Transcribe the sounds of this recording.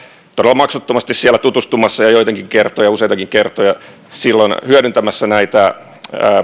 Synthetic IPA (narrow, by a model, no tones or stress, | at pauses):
t̪odelːɑmɑksut̪ːomɑst̪issiælːæt̪ut̪ust̪umɑsːɑjɑjoit̪eŋkiŋkert̪ojɑusejt̪ɑkiŋkert̪ojɑ | silːonhyødynt̪æmæsːænæit̪æ | əː